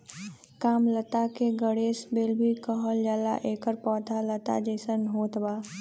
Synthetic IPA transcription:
kaːmlət̪akeɡəɽeːsbeːlbʱikəɦəld͡ʒaːla̰ʔeːkəɾpɔːt̪ʰalət̪a̰d͡ʒəːsənɦoːt̪baː

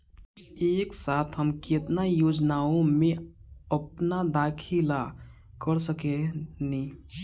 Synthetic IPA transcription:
eːksat̪ʰɦəmket̪najod͡ʒnaõmẽəp̚nad̪akʰila | kəɾsəkeni

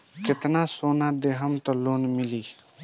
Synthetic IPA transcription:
kɪt̪nasonad̪eɦəmt̪ɔloːnmɪliː

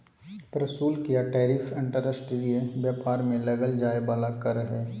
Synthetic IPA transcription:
pɾəsuːlkijaʈɛːɾiːfʰɪ̃ɳʈəɾəsʈeliebjaːpaːɾmẽlɐɡəld͡ʒaːebaːlakɐɾəɦɛː

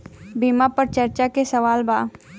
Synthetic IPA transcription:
biːmapɐɾt͡ʃɐɾt͡ʃakesɐʋaːlbaː

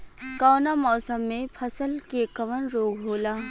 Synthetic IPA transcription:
kaːnamɔːsəmːẽpʰɐsəlkeːkəʋənɾoːɡɦoːlaː

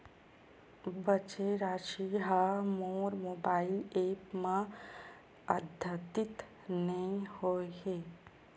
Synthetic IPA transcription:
bət͡ʃeɾaːʃiɦamɔːɾmoːbaːɪleːpmã | əd̪ʱjət̪ɪt̪ | nəĩhoːeɦeː

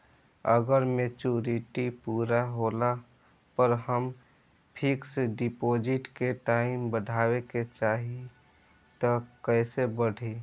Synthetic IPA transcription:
ə̰ɡəɾmet͡ʃuːɾiʈipuːɾaɦoːla | pəɾhəm | pʰɪkseɖipoːd͡ʒɪʈkeʈaːimbəɖʱaːweket͡ʃaːɦi | t̪ɔkɛːsebəɽ̤ʱi

